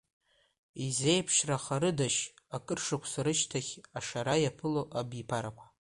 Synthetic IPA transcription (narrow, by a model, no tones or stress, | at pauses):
ize̞jpʰʃraχaɾɨdaʃ | akʼɨrʂɨkʷʰsaɾɨʃtʰaχʲaʂaɾajapʰɨloʔabipʰaɾakʷʰḁ